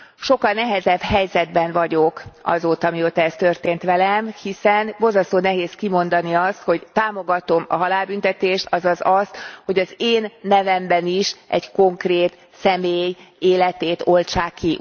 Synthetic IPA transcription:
ʃo̞kːɒlnɛɦɛzɛbhɛjzɛd̪̚bɛnvɒɟo̞kɒ̰zoːt̪ɒmioːt̪ɒɛst̪ø̞rt̪eːnt̪ʋɛlɛmhisɛnbo̞lzɒst̪oːnɛɦeːskimo̞nd̪ɒniɒst̪ho̞ɟt̪aːmo̞ɡɒt̪omɒ̰ɦɒlaːlbynt̪ɛt̪eːʃt̪ɒzɒzɒst̪ho̞ɟɒzeːnːɛvɛmbɛniʃʔɛ̰ɟko̞ŋkreːt̪ | sɛmeːjeːlɛt̪eːt̪o̞lt͡ʃaːkːi

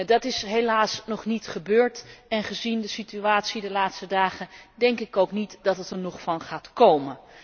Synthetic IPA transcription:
dɑtɪsɦelaːsnɔχnitχəbøːɹtɛnχəzindəsityaːtsidəlaːtstədaːχəndɛŋkɪkowknitdɑtətəɹnɔχfɑnχaːtkowmən

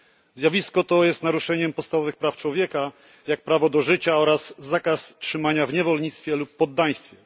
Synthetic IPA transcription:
zʲjavʲiskɔt̪ɔjɛst̪naɾuʂɛɲɛmpɔt̪st̪avɔvɘxpɾaft͡ʂwɔvʲjɛka | jak̚pɾavɔd̪ɔʐɘt͡ɕaɔɾazːakastʂɘmaɲavɲɛvɔlɲit̪st̪fʲjɛlupːɔd̪ːaj̃st̪fʲjɛ

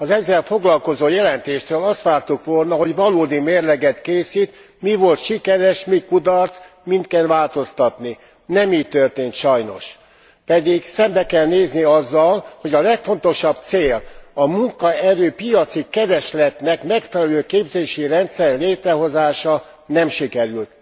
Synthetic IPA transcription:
ɒzɛzːɛlfo̞ɡlɒlko̞zoːjɛlɛnt̪eːʃt̪øːlɒst̪ʋaːrt̪ukʋolnɒɦo̞ɟʋɒloːd̪imeːrlɛɡɛt̪keːsit̪ | mivo̞lt̪ʃikɛɾɛʃmikud̪ɒrt̪s | mint̪kɛnʋaːlt̪o̞st̪ɒt̪ni | nɛmiːc̚t̪ørt̪eːnt̪ʃɒjno̞̰ʃ | pɛd̪iɡsɛmbɛkɛlneːzniɒzːɒlho̞ɟɒlɛkfo̞nt̪o̞ʃɒb̚t̪seːlɒmuŋkɒɛɾøːpijɒt̪sikɛɾɛʃlɛt̪nɛkmɛkfɛlɛløːkeːbzeːʃirɛnt̪sɛrleːt̪ɾɛɦo̞zaːʃɒ | nɛmʃikɛɾylt̪

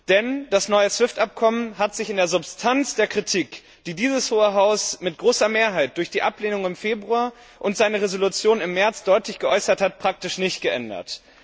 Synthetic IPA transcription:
d̥ɛnd̥asnɔʏəsv̥ɪftʔap̚kʰɔmənhatz̥ɪçɪndeːɐzʊpstʰant͡sd̥eːɐkʁ̥itʰiːk | d̥iːdiːzəshoːəɦaʊsmɪt̚ɡ̥ʁoːsɐmeːɐɦaɪt̚d̥ʊɐçd̥iːʔapleːnʊŋɪmfeːbʁuaː | ʔʊntz̥aɪnəʁezolut͡sjoːnɪmːɛɐt͡sd̥ɔʏtlɪçɡ̥əʔɔʏsɐthat̚pʁ̥ak̚tɪʃnɪçtɡ̥əʔɛndɐ̰t

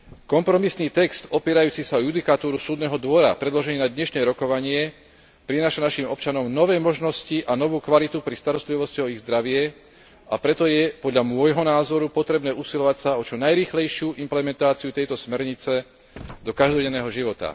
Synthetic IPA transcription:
kɔmpɾɔmisniːt̪ɛkst̪ɔpɪɛɾajuːt͡sisaɔjud̪ikat̪uːɾusuːd̪nɛːɦɔd̪ʋɔɾa̰pɾɛd̪lɔʒɛniːnad̪ɲɛʃnɛːɾɔkɔʋaɲɪɛ | pɾinaːʃanaʃimɔpt͡ʃanɔmnɔʋɛːmɔʒnɔsciʔanɔʋuːkʋalit̪upɾist̪aɾɔst̪liʋɔsciɔiɣzd̪ɾaʋɪɛ | apɾɛt̪ɔjɛpɔd̪ʎamʊɔjɦɔnaːzɔɾupɔt̪ɾɛbnɛːusilɔʋacsaɔt͡ʃɔnajɾiːxlɛjʃɪuːʔimplɛmɛnt̪aːt͡siut̪ɛjt̪ɔsmɛɾɲit͡sɛ | d̪ɔkaʒd̪ɔɟɛnːɛːɦɔʒiʋɔt̪a̰

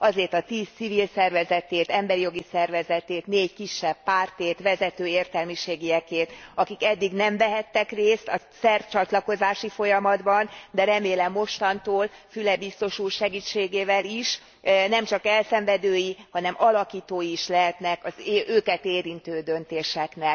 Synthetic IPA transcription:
ɒzeːrt̪ɒt̪iːst̪sivilsɛrvɛzɛt̪eːt̪ɛmbɛɾijo̞ɡisɛrvɛzɛt̪eːt̪neːɟkiʃːɛb̥ːaːrt̪eːt̪ʋɛzɛt̪øːeːrt̪ɛlmiʃeːɡijɛkeːt̪ɒkikɛd̪ːiɡnɛɱvɛɦɛt̪ːɛkreːst̪ɒ | sɛrt͡ʃɒt̪lɒko̞zaːʃifo̞jɒmɒd̪bɒnd̪ɛɾɛmeːlɛmːo̞ʃt̪ɒnt̪oːlfylɛbist̪o̞ʃuːrʃɛɡiːt͡ʃːeːɡeːvɛliʃ | nɛmt͡ʃɒkɛlsɛɱvɛd̪øːjihɒnɛmɒlɒkiːt̪oːjiiʃlɛɦɛt̪nɛkɒzøːkɛt̪eːɾint̪øːd̪ø̞nt̪eːʃɛknɛl

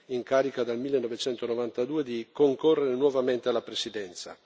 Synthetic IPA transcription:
iŋkaːɾikad̪almilːenːɔvet͡ʃɛnt̪onovant̪ad̪uːed̪ikoŋkorːeɾenwɔvament̪ealːapɾesid̪ɛnt̪sa

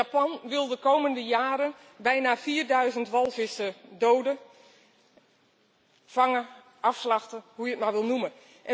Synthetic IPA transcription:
apɔnʋɪlˠdəkowməndəjaːɾən | bɛjnafiːrdœɥzəntʋɔlˠfɪsədowdə | fɑŋə | ʔɑfslɑxtəɦujətmawʋɪlˠnumə | ʔɛ

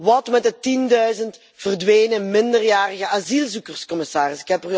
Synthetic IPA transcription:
ʋɑtmɛt̚dətindœɥzənt | v̥ərdʋejnəmɪndərjaːrəɣəʔazilˠzukərskɔmɪsaːrɪsɪ̥kɦɛpər

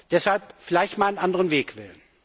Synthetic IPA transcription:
d̥ɛshalp̚fɪlaɪçtmaːanənʔandəʁənveːkv̥ɪ̰lən

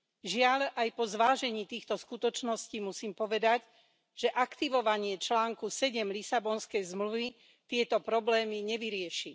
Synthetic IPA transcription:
ʒɪaʎajpɔzʋaːʒɛɲiːt̪iːxt̪ɔskut̪ɔt͡ʃnɔsciːmusiːmpɔʋɛd̪aɟ | ʒ̥ɛʔakt̪iʋɔʋaɲɪɛt͡ʃlaːŋkusɛɟɛmlisabɔnskɛjzmluʋi | t̪ɪɛt̪ɔpɾɔblɛːmiɲɛʋiɾɪɛʃi

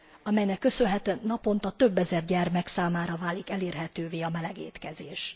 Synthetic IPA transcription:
ɒmɛjnɛkːø̞sønɦɛt̪ønɒpo̞nt̪ɒt̪ø̞bːɛzɛrɟɛrmɛksaːmaːɾɒvaːlikɛleːrɦɛt̪øːveːɒmɛlɛɡḛːt̪kɛzeːʃ

